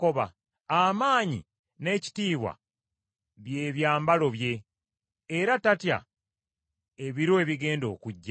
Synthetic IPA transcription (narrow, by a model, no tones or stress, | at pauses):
ko̞βa̰ | amaːɲḭ | ne̞ːci̥tiːβwa̰ | βje̞ːβjaːmbalo̞βje̞ː | ɾatatja̰ | e̞βiɾoe̞βiɡe̞ːndo̞̰ːkuɟːa